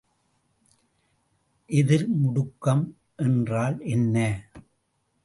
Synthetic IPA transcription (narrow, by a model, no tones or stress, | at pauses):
ʔɛðɪɾmʊɽʊkːɐm | ʔɛndraːlɛnːɐː